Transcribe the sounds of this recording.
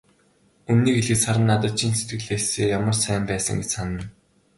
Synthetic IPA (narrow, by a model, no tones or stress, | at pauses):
ɵmniːkeɮɘ̆saɾə̆nːat̪ə̆t̪̚t͡ɕʰiːnset̪̚ɡɘ̆ɮeːseːjamə̆rsæːmpæːsə̰̆ŋɡet͡ɕsanə̆n